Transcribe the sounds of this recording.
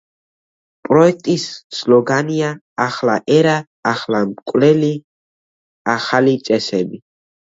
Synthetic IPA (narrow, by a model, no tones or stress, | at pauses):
pʼɾɔɛk̚ʰt̪ʼisslɔɡaniaː | χlaʔɛɾaː | χlamkʼwlɛli | aχalit̪sʼɛsɛbi